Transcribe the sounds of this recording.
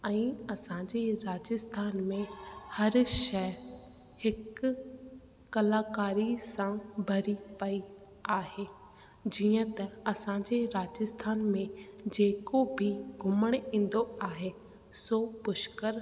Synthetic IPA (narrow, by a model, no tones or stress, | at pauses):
ɛ̃ːɐsãːɲd͡ʑeɾaːd͡ʑəst̪ʰaːnmẽhɐɾʃɛ | hɪk | ɐlaːkaːɾisãbʱɐɾipɐi | aːɦeː | d͡ʑiːə̃t̪ɐɐsãːɲd͡ʑeɾaːd͡ʑəst̪ʰaːnmẽd͡ʑeːkobʱɪɡʱʊməɽ̃ĩːn̆d̪oaːɦe | soːpʊʃkəɾ